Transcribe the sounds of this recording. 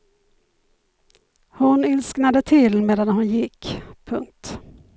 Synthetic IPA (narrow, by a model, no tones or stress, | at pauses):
hʊnɪlsknad̪ət̪ʰɪlmeːd̪anhʊnjɪkːpʰːɵŋk̚t̪